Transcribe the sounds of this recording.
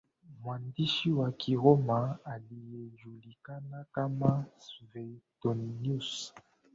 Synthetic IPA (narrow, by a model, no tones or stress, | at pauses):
mwandiʃiwakʰiʁomaalijeʒulikanakamasvɛtɔnnus